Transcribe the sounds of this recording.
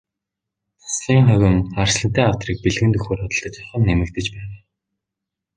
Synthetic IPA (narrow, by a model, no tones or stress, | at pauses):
t͡sḁsɮiːŋχœɣʲɵ̆ŋarsɮə̆nt̪eːŋaw̥t̪riːk̚peɮɣɘ̆nt̪ɵxoːrɔt̪ɞ̆ɮt̪ə̆t͡ɕɔχə̆nnːemɘ̆k̚t̪ɘ̆t͡ɕpæːwæː